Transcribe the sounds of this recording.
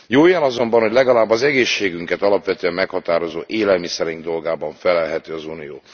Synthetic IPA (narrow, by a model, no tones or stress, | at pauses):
joːjɒnɒzo̞mbɒnhɦoɟʲlɛɡɒlaːbːɒzɛɡeːʃːeːɡyŋkɛt̪ɒlɒpʋɛt̪øːɛmːɛkhɒt̪aːɾo̞zoːʔeːlɛlmisɛɾiŋɡd̪o̞lɡaːbɒɱfɛlɛlɦɛt̪øːɒzunijoː